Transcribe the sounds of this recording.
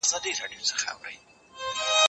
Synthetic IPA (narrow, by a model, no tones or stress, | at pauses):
zɑd̪iɾɑɖijot͡sə̥χaa̰wɾə̰j